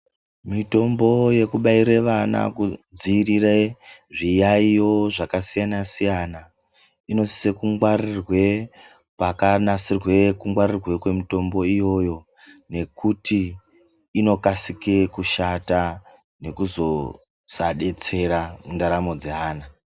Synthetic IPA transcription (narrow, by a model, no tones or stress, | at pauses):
mito̞mbo̞je̞kuɓaiɾeʋana̰kud͡zirireʐijaijo̞ʐakasijanasijana | ino̞si̥se̞kuŋɡwarirwe̞ | pakanasirwe̞kuŋɡwarirwe̞kwe̞mito̞mbo̞ijo̞jo̞ | ne̞kutiː | no̞kasikekuʃata | ne̞kuzo̞ | saɗe̞t͡se̞ɾamundaɾamo̞d͡zeaːna